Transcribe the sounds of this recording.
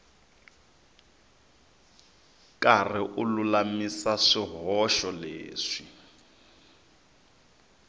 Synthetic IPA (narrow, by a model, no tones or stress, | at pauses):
kʼar̤iʔululamisaʂiɦɔʃɔlḛːʂi